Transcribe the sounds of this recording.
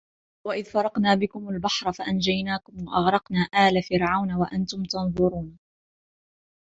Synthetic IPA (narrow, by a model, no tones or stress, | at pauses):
waʔɪðfɑɾˤɑqnaːbɪkʊmalbɑħɾˤɑfaʔand͡ʒajnaːkʊmwaʔɑɣɾˤɑqnaːʔaːlafɪɾʕawnawaʔant̪ʊmt̪ɑnðˤʊɾuːn